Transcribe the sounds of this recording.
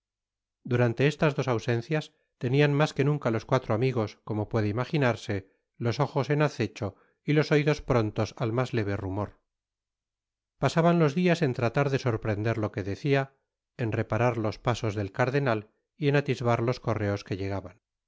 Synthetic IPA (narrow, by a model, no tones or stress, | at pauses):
d̪uɾant̪e̞est̪azðo̞sawse̞n̟θjas | t̪e̞nianmaske̞nũŋkalo̞skwat̪ɾoamiɣo̞sko̞mo̞pwe̞ðeimaχinaɾse̞ | lo̞so̞xo̞se̞naθe̞t͡ʃo̞ | ilo̞soiðo̞spɾo̞nt̪o̞salmazle̞β̞e̞rumo̞ɾ | pasaβanlo̞zðiase̞nt̪ɾat̪aɾðe̞so̞ɾpɾe̞nd̪eɾlo̞ke̞ðe̞θia | enre̞paɾaɾlo̞spaso̞zðe̞lkaɾðe̞nal | ie̞nat̪izβaɾlo̞sko̞re̞o̞ske̞ʎe̞ɣ̞aβan